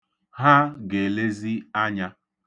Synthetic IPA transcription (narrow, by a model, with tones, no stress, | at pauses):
ɦa˦ɡe˨le˦zi˦a˦ɲa˦